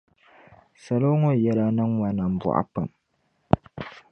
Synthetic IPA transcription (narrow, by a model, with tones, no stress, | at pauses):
sɐ˨lo˦ŋo˦˨jɛ˦la˦nɨ˦ŋwɐ˦nːɐ˨m˨bʊ̰˨ʔa̰˦pa̰˨m